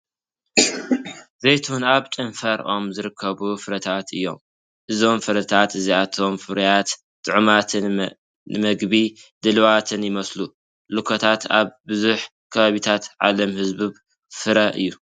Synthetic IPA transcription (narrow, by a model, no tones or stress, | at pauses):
zejt̪ʰuwunaβt̪ʼɨnfɐɾʔo̞mzɨɾɨkʰːɐβufɨɾɐt̪ʰat̪ɨjːo̞̰m | ʔɨzo̞mfɨɾɐt̪ʰat̪ɨziat̪ʰo̞mfɨɾjat̪ | t̪ʼɨʕɨmat̪ʰɨ | ɨmɐɡbid̪ɨlwat̪ʰɨnjɪmɐslu | lɨkʰot̪ʰat̪a̰βbɨzuħ | kʰɐβaβit̪ʰat̪ʕa̰lɐmhɨzbɨ | fɨɾɐʔɨ̰jːu